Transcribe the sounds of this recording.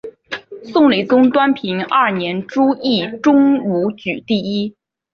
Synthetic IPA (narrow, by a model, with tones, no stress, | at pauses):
sʊ˥˩ŋli˨˩t͡sʊ˥ŋt̪wa˥npʰi˧˥ŋa˥˩njɛ˧˥nʈ͡ʂu˥i˥˩ʈ͡ʂʊ˥ŋu˧˥t͡ɕy˨˩t̪i˥˩i˥